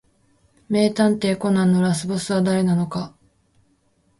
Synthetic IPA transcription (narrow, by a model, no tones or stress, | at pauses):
me̞ːt̪ãnt̪e̞ːko̞nãnːo̞ɾas̬ɨbosɨβad̪aɾe̞nano̞ka